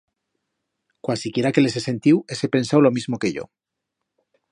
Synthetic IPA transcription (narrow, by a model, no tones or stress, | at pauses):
kwasikje̞ɾake̞le̞se̞se̞nt̪iwe̞se̞pe̞nsawlo̞mizmo̞ke̞ʝo̞̰